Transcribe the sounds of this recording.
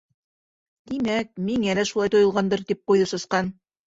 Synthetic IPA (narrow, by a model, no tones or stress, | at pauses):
d̪imæk̚miŋælæʃulˠɑjt̪ŏjŏlˠʁɑnd̪ɤɾt̪ip̚qujðɤsɤ̆sqɑn